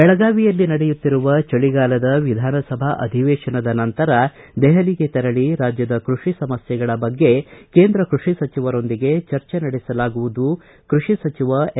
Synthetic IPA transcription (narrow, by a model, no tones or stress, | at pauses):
bɛɭɐɡaːʋijɐlːinɐɽejut̪ːiɾuʋɐt͡ʃɐɭiɡaːlɐd̪ɐʋid̪ʱaːnɐsɐbʱaʔɐ̰d̪ʱiʋeːʃɐnɐd̪ɐnɐnt̪ɐɾɐ | d̪ɛɦɐliɡe̞t̪ɛɾɐɭiɾaːd͡ʒjɐd̪ɐkɾuʂisɐmɐsjɛɡɐɭɐbɐɡːe̞ke̞ːnd̪ɾɐkɾuʂisɐt͡ʃiʋɐɾo̞nd̪iɡe̞t͡ʃɐɾt͡ʃenɐɽɛsɐlaːɡuʋud̪u | kɾuʂisɐt͡ʃiʋɐ